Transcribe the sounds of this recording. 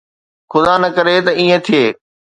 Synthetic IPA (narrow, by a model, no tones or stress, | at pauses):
xʊd̪aːnɐkɐɾet̪ɐĩːẽt̪ʰieː